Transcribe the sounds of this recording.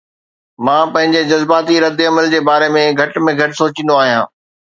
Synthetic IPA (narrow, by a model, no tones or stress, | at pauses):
mãːpɐ̃ɦɪ̃ɲd͡ʑed͡ʑɐzbaːt̪iɾɐd̪ɪɐməld͡ʑeːbaːɾemẽɡʱɐʈmẽɡʱɐʈɪsoːt͡ɕĩːnd̪oaːɦijã̰ː